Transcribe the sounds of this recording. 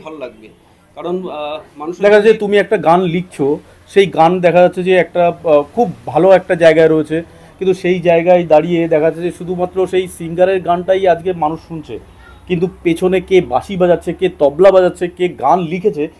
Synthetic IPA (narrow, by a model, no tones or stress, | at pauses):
balolaɡ̚be | kaɾonmanuʃd̪ɛkʰaaet̪umiɛk̚ʈaɡanlik̚ʰt͡ɕʰo | ʃejɡand̪ɛkʰad͡ʑatːɕʰed͡ʑeɛk̚ʈakʰubːʱaloɛk̚ʈad͡ʑaeɡaeɾoet͡ɕʰe | kint̪uʃejd͡ʑaeɡaed̪aɽijed̪ɛkʰaat͡ɕʰed͡ʑeʃud̪ʱumat̪ːɾoʃejsiŋɡaɾeɾɡanʈajad͡ʑkemanuʃːunt͡ɕʰḛ | kint̪̬upet͡ɕʰonekebaʃibad͡ʑatːɕʰeket̪ɔblabad͡ʑatːɕʰekeɡanlikʰet͡ɕʰe